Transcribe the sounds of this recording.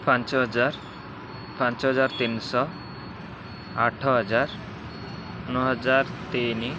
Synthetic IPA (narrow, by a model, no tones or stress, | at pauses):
pʰant͡ʃɦd͡ʒaɾ | pant͡ʃɦɔd͡ʒaɾt̪insɔ | aʈʰɔɦɔd͡ʒaɾ | nɔɦɔd͡ʒaɾt̪eni